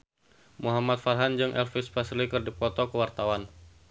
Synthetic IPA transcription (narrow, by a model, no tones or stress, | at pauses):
muɦamat̪̚farɦand͡ʒɨŋʔɛ̰lfispaslikɨrdipɔt̪ɔkəwart̪awan